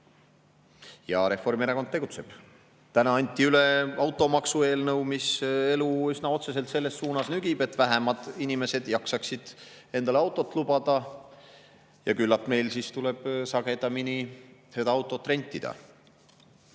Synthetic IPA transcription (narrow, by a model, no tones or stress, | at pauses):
jɑɾe̞fo̞rmeɾeko̞nt̪ːe̞ɡut̪se̞b̥ | t̪ænɑɑnʲt̪ʲːˑiyle̞ɑwt̪ːˑo̞mɑksue̞ːlnɤwmise̞luysnɑo̞t̪se̞s̬e̞lt̪se̞lːe̞sːuːnɑsnyɡibe̞t̪ːvæɦemɑd̪̥inime̞se̞d̪̥jɑksɑksid̪̥ | e̞nd̪ɑleɑwt̪ːˑo̞t̪ːˑlubɑd̪̥ɑ | jɑkylːɑt̪me̞jlsist̪ule̞b̥sɑɡ̥e̞d̪̥ɑminise̞d̪ɑɑwt̪ːˑo̞t̪ːɾe̞nʲt̪ʲːˑid̪̥ɑ̰